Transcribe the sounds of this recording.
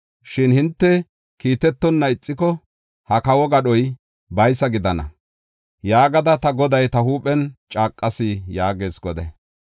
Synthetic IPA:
ʃɪnhɪnt̪ːɛ | kiːt̪ɛt̪ːɔnːɐɪt͡sʼːɪkɔ | hɐkɐwɔɡɐɗɔj | bɐjsɐɡɪd̪ɐnɐ̰ | jaːɡɐd̪ɐt̪ɐɡɔd̪ɐjt̪ɐɦuːpʼɛnt͡ʃʼaːkʼːɐsɪjaːɡeːsɡɔd̪ɛ̰

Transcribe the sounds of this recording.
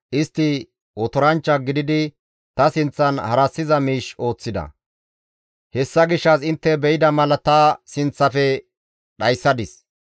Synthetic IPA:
ʔɪst̪ːɪ | wɔt̪ɔɾɐnt͡ʃːɐɡɪd̪ɪd̪ɪ | t̪ɐsɪnt͡sːɐnhɐɾɐsːɪzɐmiːʃo̞ːt͡sːɪd̪ɐ̰ | hɛsːɐɡɪʃːɐsɪnt̪ːɛbɛjɪd̪ɐmɐlɐt̪ɐsɪnt͡sːɐfɛ | ɗɐjsːɐd̪ɪs

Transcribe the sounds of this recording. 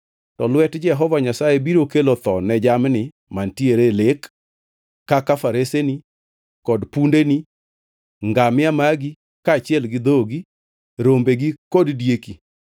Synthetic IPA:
tɔlwɛtd͡ʒɛɦɔvaɲasajebiɾokelot̪ɔnɛd͡ʒamnɪ | mantjeɾelekː | akafaɾeseni | kɔdpundeni | ŋɡamɪamaɡi | kaːt͡ʃɪɛlɡɪd̪oɡi | ɾombeɡikoddjeki

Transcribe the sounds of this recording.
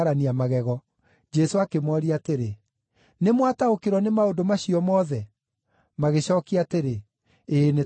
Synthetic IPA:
ɾaniamaɣɛɣɔ | d͡ʒɛsoakemɔɾiateɾe | nemwataokeɾɔnemaodomaɕiɔmɔːðɛ | maɣeɕɔːkiateɾe | ene

